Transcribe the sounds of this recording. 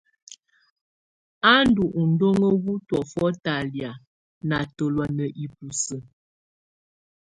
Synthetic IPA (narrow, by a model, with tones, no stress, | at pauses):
a˦n˦du˨ʔu˨n̩˨˦do˦ŋə˦ɣu˦twɔ˨fɔ˦ta˨lja˨ | na˨to˨lwa˨nə˨ʔi˨p̚u˨sə˨